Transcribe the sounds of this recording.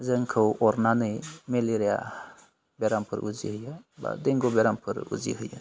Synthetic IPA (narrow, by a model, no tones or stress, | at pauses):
zɯŋkʰɯwʔɔɾnanɯjmeliɾeja̰ | beɾampʰɯɾṵzḭɦɯjaba̰d̪eŋɡɔbɛɾampʰɯɾṵzḭɦɯja̰